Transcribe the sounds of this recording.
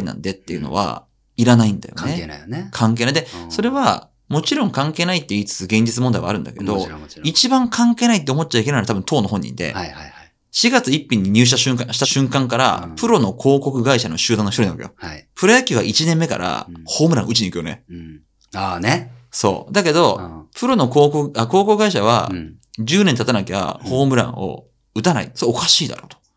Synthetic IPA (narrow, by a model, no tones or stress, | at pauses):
inã̰nd̪e̞t̪ːe̞jɯ̟no̰βa̰ | iɾanaĩnd̪a̰jo̞̰nekʰãŋke̞ːnaid̪eso̞ɾe̞βa | mo̞t͡ɕiɾõ̞ŋkãŋke̞ːnait̪ːeiːt͡sɨ̥t͡sɨɡẽ̞ɲ̟d͡ʑit͡sɨmond̪aiβa̰ɾɯ̟nd̪a̰ke̞̰d̪o̞it͡ɕibãŋkʰãŋke̞ːnait̪ːeomo̞t̪̚ːt͡ɕaike̞naɾat̪abɯ̟̃nt̪ʰo̞ːnoɦõ̞ɲ̟ːḭ̃nd̪e̞̰ | ɕiɡat͡sɨipʲːĩɲ̟ːiɲ̟ɨːɕ̬it̪aɕɨ̃ŋkãɕi̥t̪aɕɨ̃ŋkãŋkaɾa̰pʰɯ̟ɾo̞no̞kʰo̞ːko̞kɯ̟ɡaiɕano̞ɕɨːd̪ãnoçtoinaβakejopʰɯ̟ɾajakʲiait͡ɕinẽ̞mːe̞ka̰ɾa̰ho̞ːmɯɾã̰ɯ̟t͡ɕiɲikɯ̟jo̞ne̞̰ | anso̞̰ːd̪ake̞d̪o̞pʰɯ̟ɾo̞no̞ko̞ːkokɯako̞ːko̞kɯɡaiɕaβ̞a̰ | d͡ʑɨːnent̪at̪anakeβa̰ho̞ːmɯ̟ɾã̰ɰ̃o̰ | ɯ̟t̪ana̰ḭsookaɕiːd̪a̰ɾo̞̰ːt̪o̥